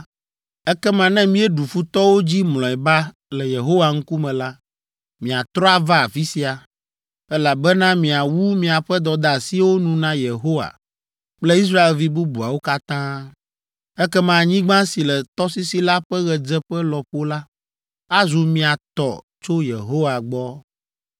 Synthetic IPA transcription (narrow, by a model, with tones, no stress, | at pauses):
ɛ˦kɛ˦mã˨nɛ̃˦mĩ˦ɛ˦ɖu˨fu˦t̪ɔ˦wo˦d͡ʑi˦mlɔ̃˨ɛ˨ba˦ | lɛ˨je˨ɦo˦wa˨ŋ̩˦ku˦mɛ̃˨la˦ | mĩ˨a˨t̪ɾɔ˦a˨va˦a˨fi˦si˦a˨ | ɛ˦la˨bɛ˦nã˦mĩ˨a˨wu˦mĩ˨a˨ɸɛ˦d̪ɔ˨d̪a˨si˦wo˦nũ˨nã˦je˨ɦo˦wa̰˨ | k͡plɛ˦i˦s̬ɾa˦e˨lvi˦bu˦bu˨a˨wo˦ka˦t̪ã˦ | ɛ˦kɛ˦mã˨ɲĩ˦ɡ͡bã˦si˨lɛ˨t̪ɔ˦si˦si˨la˦ɸɛ˦ɣɛ˨d͡zɛ˦ɸɛ˦lɔ˨ɸo˦la˦ | a˦zu˨mĩ˨a˨t̪ɔ̰˨ | t͡ʃo˦jḛ˨ɦo˦wa˨ɡ͡bɔ˦